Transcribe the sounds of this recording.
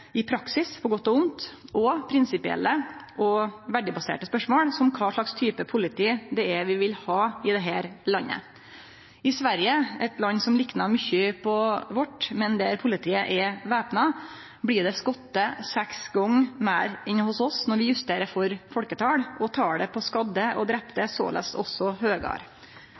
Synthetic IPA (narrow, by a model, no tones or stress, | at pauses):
ɪpʰɾɑksɪspʰɔɡɔt̪ːɔʊnt̪ɔpʰɾɪnsɪpɪɛ̰lːəʔɔʋæɖɪbɑsḛːʈəspœʂmoːɽsɔmkʰɑːʂɭɑkst̪ʰyːpəpʰʊlɪt̪ʰiːd̪ɛɛʋɪʋɪlhɑːɪd̪ɛɦæːɾlɑnːə̰ | ɪsʋæɾjəɛt̪lɑnːsɔmlɪknɑɾmʏçəpʰɔʋɔʈːmɛnd̪ɛɾpʰʊlɪt̪ʰiːəʔɛʋeːpnɑ | blɪːɖɛskɔt̪ːəsɛksɡɔŋmæɪɾɪnːhʊsɔsnɔɾʋɪjʉst̪eːɾəɾfɔɾfɔlkət̪ʰɑːɽʔɔt̪ʰɑːɖɛpʰɔskɑd̪əɔ̰d̪ɾɛpd̪ɛso̰ːlʔɛ̰st̪ɔ̰sːɔhøːɡɑ̰ːɾ